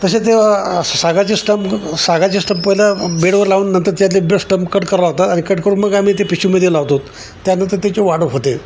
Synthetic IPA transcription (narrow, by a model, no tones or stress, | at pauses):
t̪əɕet̪̬esaɡat͡ɕisʈəmsaɡat͡ɕisʈəmppəɦilabeɽʋəɾlauːnːənt̪əɾt̪jat̪lebesʈəmpkəʈkəɾlaɡ̚t̪at̪añikəʈkəɾuːnməɡam̤iːt̪epiɕumed̪jelaʋt̪ot̪ː | janət̪əɾt̪et͡ɕeʋaɽəɦot̪e